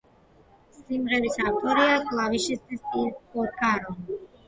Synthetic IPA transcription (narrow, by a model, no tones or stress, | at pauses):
simʁɛbisavt̪ʼɔɾiakʼlˠaviʃist̪ʼisikʼɔɾkʰʼaɾɔn